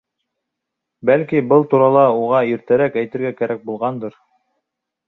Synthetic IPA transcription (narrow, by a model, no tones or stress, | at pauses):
bælkibɤlˠt̪uɾɑlˠɑuʁɑiɾt̪æɾækæjt̪ɘ̆ɾɡækæɾæk̚bulˠʁɑnd̪ɤɾ